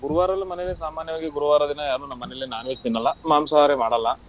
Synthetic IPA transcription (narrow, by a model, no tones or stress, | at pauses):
ɡuɾuʋaːɾɐlːumɐnɛelesaːmaːnjɐʋaːɡiɡuɾuʋaːɾɐd̪inɐjaːnunɐmːɐnelːenaːnʋet̪inːɐlːɐmaːmsaːɾemaːɽɐlːɐ